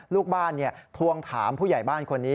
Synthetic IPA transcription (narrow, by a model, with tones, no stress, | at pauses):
luː˥˩k̚baː˥˩nːi˥˩ət̪ʰu˧əŋt̪ʰaː˩˦mpʰuː˥˩ja˨˩jbaː˥˩nkʰo˧nːiː˦˥